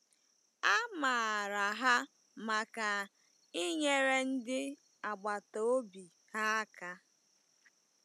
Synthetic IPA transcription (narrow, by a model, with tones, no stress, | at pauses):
a˦ma˨ɾa˨ɦa˦ | ma˨ka˨ | i˦ɲe˦ɾe˦n̩˦dɪ˦ | a˨ɡ͡ba˨to˦o˦bi˨ | ha˦ka˦